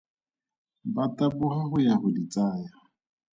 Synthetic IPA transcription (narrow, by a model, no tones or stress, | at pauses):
batʼabʊhaɦʊjahʊdit͡sʼaːja